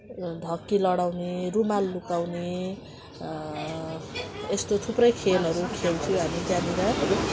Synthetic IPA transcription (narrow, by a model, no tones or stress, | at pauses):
d̪ʱʌkːilʌɽawnerumalːukawne | est̪ot̪ʰuprʌjkʰelɦʌɾukʰelt͡sʰuɦamid͡zaniɾʌ